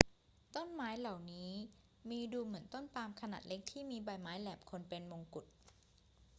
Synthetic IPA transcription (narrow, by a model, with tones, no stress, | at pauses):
t̪o˥˩nmaː˦˥jla˨˩wniː˦˥ | miː˧duː˧mɯ˩˦ənt̪o˥˩npaː˧mkʰa˧na̰ː˨˩t̪̚le˦˥k̚t̪ʰiː˥˩miː˧ba˧jmaː˦˥jlɛː˨˩p̚kʰo˧npe˧nwo˧ŋku˨˩t̪̚